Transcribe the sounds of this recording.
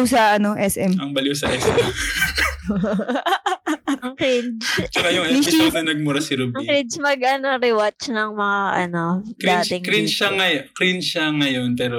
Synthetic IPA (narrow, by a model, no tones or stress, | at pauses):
sɐʔɐno̞ʔɛsʔɛmɐŋbɐluwsɐʔɛsʔɛm | ɐŋkɾid͡ʒt͡ʃɐkɐjʊŋɐiɪɐɐɐnɐɡ̚muɾɐsɪɾubɐŋikɾit͡ʃmɐɡʔɐnoɾɪwat͡ʃnɐŋmɐŋaʔɐ̰nokɾat̪ɛkɾinʃɐŋɐjkɾinʃɐŋɐjo̞npɛːɾo